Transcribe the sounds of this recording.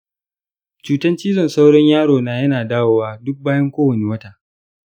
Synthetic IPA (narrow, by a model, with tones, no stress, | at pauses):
t͡ʃuː˦tɐ˦nt͡ʃiː˦zɔ˦˨nsa˦wɽɔ˦ɲjaː˦ɽoː˨naː˨jɐ˦naː˨daː˦woː˦waː˦dʊ˦k̚baː˦jɐ˦ŋkʷoː˦wɐ˨neː˨wɐ˦ta˨ʔ